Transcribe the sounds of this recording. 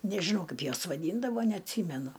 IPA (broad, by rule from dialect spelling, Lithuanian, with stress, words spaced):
nʲɛʒʲɪˈnɐʊ ˈkɐɪp ˈjuɔs ʋɐˈdʲiːndɐʋoː nʲɛɐtʲˈsʲiːmʲɛnʊ